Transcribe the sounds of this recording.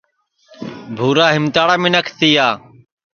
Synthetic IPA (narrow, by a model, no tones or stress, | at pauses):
bʱuːɾaːɦɪmt̪aːɽaːmẽːnəkʰt̪iːaː